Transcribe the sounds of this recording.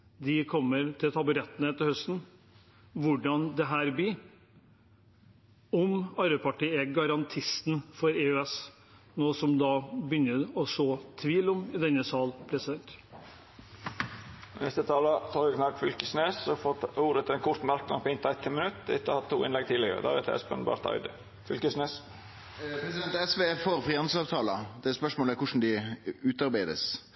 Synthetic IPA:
d̪ɪkʰɔmːəɾt̪ʰɪlt̪ʰɑbʉɾɛt̪ːənəɛt̪ːəhœst̪n̩ | ʋʊɖɑnd̪ɛɦæːɾbɪ | ɔmɑɾbəpʰɑʈiːɛɡɑɾɑnt̪ʰɪst̪n̩fɔɾeːʉɛs | noːsɔmd̪ɑbəʏnːəɔsoːt̪ʰʋiːlɔmɪd̪ɛnːəsɑːlpʰɾɛsɪd̪ɛnt̪ | nɛst̪ət̪ʰɑːlət̪ʰɑːɾɪkʰnɑt̪fʏlkəsneːsɔfɔt̪uːɾət̪ʰːɪlɛnkʰʊɾt̪mɑɾk̚d̪ɑ̰npɔɪnt̪ʰːæɪt̪ʰːɪmənʉt̪ːɪ̰t̪ːɔhɑt̪ʰːṵːɪ̰nlɛɡ̚t̪ʰiːlɪɡə̰ɾə̰d̪æ̰ɾɛ̰t̪ʰɛ̰spɛ̰nbɑ̰ɾt̪ɑ̰ʏd̪ə | fʏlkəsneːs | pʰɾɛsɪd̪ɛnt̪ɛsʋeːfoːɾfɾiːɑnsɑːʋt̪ʰɑːlɑd̪ɛspœʂmoːləæɾkʊʂn̩d̪ɪʉːt̪ɑɾbæɪd̪ə̰s

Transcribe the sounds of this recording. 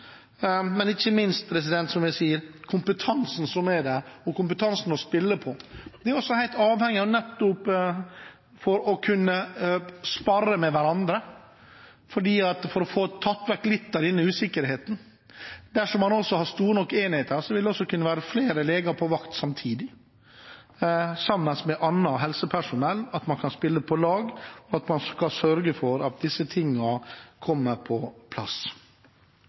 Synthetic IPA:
mɛnɪçːəmɪnst̪̚pʰɾɛs̬ɪd̪ɛnt̪sɔmjæɪsiːəɾkʰʊmpət̪ʰɑnsn̩sɔmɛd̪ɛɔkʰʊmpət̪ʰɑnsn̩ɔspɪlːəpʰɔd̪ɛæɾɔsɔhæɪlt̪ɑːʋhɛŋːɪɔnɛt̪ːʊp | fɔɾɔkʰʉnːə | spɑɾəmɛʋæɾɑnd̪ɾə | fɔɖiːɑt̪fɔɾɔfoːt̪ʰːɑt̪ːʋæɾklɪt̪ːd̪æɾɪnːəʉːsɪkːəɾɦeːt̪n̩ | d̪æʂɔmːɑnɔsːɔhɑɾst̪uːɾənɔkːeːnɪheːt̪əɾsɔʋɪld̪ɛɔsːɔkʰʉnːəʋæːɾəfleːɾəleːɡɑɾpʰɔʋɑkt̪sɑmt̪ʰiːd̪ɪ | sɑmːənsmɛʔɑnːɑɦɛlsəpʰæʂʊnɛlːɑt̪mɑnkʰɑnspɪlːəpʰɔlɑːɡɔɑt̪mɑnskɑsœɾɡəfɔɾɑt̪̚d̪ɪsːət̪ʰɪŋːɑkʰɔmːəɾpʰɔpʰlɑ̰s

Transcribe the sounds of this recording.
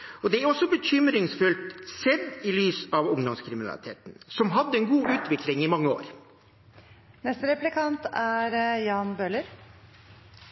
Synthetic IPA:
ɔd̪ɛæɾɔsːɔbəçʏmɾɪŋsfʉlt̪sɛd̪ɪlyːsɑʋʊŋd̪ɔmskʰɾɪmɪnɑ̰lɪ̰t̪ʰḛːt̪n̩sɔmɦɑd̪ːəɛnɡuːʉːt̪ʋɪklɪŋɪmɑŋːəo̰ːɾ | nɛst̪əɾɛplɪkʰɑnt̪æɾjɑːnbøːləɾ

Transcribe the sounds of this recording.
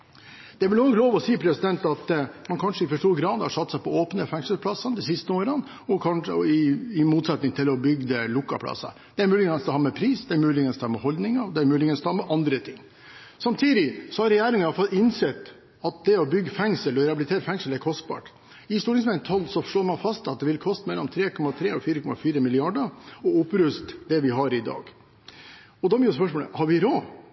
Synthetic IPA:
d̪̥ɛæɾʋɪlɔːnloːʋɔsiːpʰɾɛsɪd̪ɛnt̪ɑt̪mɑnkʰɑnʂəɪfɔʂʈuːɾɡɾɑːd̪hɑʂɑt̪ːsæɪpʰɔoːpnəfɛŋsəlpʰlɑsːɑnd̪ɛsɪst̪əoːɾɑn | ɔkʰɑnəɪɪmuːt̪sɛt̪nɪŋt̪ɪlɔbʏɡd̪əlʊkːɑ̰pʰlɑ̰sːɑ̰ | d̪̥ɛæɾmʉːlɪɡənsd̪ɛhɑːɾmɛpʰɾiːsd̪ɛæɾmʉːlɪɡənsd̪ɛhɑːmɛhɔld̪nɪŋɑd̪ɛæɾmʉːlɪɡənst̪ɔhɑːmɛʔɑnd̪ɾət̪ʰɪŋː | sɑmt̪ʰiːd̪ɪsɔhɑɾɛjæːɾɪŋənɑfɔt̪ɪnsɛt̪ | ɑt̪̚d̪ɛɔbʏɡːfɛŋsəlɔɾɛɑbɪlɪt̪ʰeːɾəfɛŋsəlɛɾkʰɔst̪̚bɑ̰ːʈ | ɪst̪uːʈɪŋsmɛt̪ʰɑlsɔʂɭoːɾmɑnfɑst̪ɑt̪d̪ɛʋɪlkʰɔst̪mɛlːɔmt̪ʰɾeːkʰɔmɑt̪ʰɾeːɔfiːɾəkʰɔmɑ̰fiːɾəmɪlɪɑɖəɔʊpɾʉst̪d̪ɛʋɪɦɑɾɪd̪ɑ̰ːɡ | ɔd̪ɑbɪːspœʂmoːlə̰hɑɾʋɪɾoː

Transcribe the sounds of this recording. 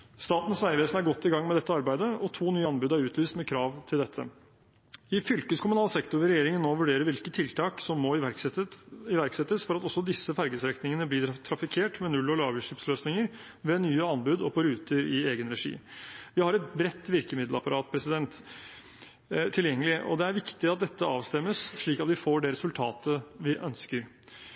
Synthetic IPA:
st̪ɑːt̪n̩sʋæɪʋeːsn̩æɾɡɔt̪ːɪɡɑŋːmɛd̪ɛt̪ːəɑɾbæɪd̪əʔɔt̪ʰuːnyːəɑnbʉːd̪æɾʉːt̪lyːst̪mɛkʰɾɑːʋt̪ʰɪld̪ɛt̪ʰːə̰ | ɪfʏlkəskʰʊmʉnɑːlsɛkt̪ʊɾɪɾɛjeːɾɪŋənːoːʋʉɖeːɾəɾʋɪlkət̪ʰːɪlt̪ʰɑːksɔmːɔ | ɪʋæɾksɛt̪ːəsfɔɾɑt̪ɔsːɔd̪ɪsːəfæɾɡəsɾɛknɪŋənəblɪt̪ʰɾɑfɪkʰeːʈmɛnʉlːɔlɑːbəʂɪpsløːsnɪŋəɾ | ʋɛnyːəɑnbʉd̪ɔpʰɔɾʉːt̪əɾɪeːɡənɾɛʂḭːmʋɪhɑɾɛt̪bɾɛt̪ːʋɪɾkəmɪd̪lɑ̰pɑɾɑːt̪pʰɾɛsɪd̪ɛnt̪ | t̪ʰːɪljɛŋːəlɪʔɔ̰d̪ɛæɾʋɪkt̪ɪɑt̪̚d̪ɛt̪ːəɑːʋst̪ɛmːəsʂɭiːkɑt̪ʋɪfoːɖɛɾɛsʉlt̪ʰɑ̰ːt̪ʰəʋɪʔœnskəɾ

